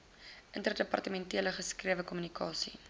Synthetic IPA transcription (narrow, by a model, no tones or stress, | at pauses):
ʔəntərdəpɐ̰rtəmɛ̃ntiələχəskriəvəkɔmynikʰɑːsḭ